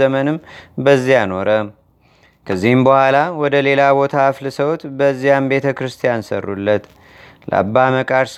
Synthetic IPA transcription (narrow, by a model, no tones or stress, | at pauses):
əmənɨmbəzːijano̞ɾə | kʰəzːihɨmbəhʷalawɔd̪əle̞labo̞t̪ʰaflɨsəwt̪bəzːijambe̞t̪ʰəkɾɨst̪ʰijansə̰rːṵlːət̪ | lə̰ʔa̰bːaməkʼaɾs